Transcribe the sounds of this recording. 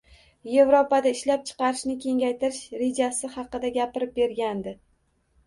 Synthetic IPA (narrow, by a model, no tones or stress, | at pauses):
je̞vɾopad̪aɪʃlap̚t͡ʃʰɨ̥qɑɾɪʃnɪkʲʰe̞ŋʲajt̪ʰɪɾɪʃɾed͡ʒasɪhɑqɨd̪aɡʲapɪɾɪp̚be̞ɾɡʲand̪ɪ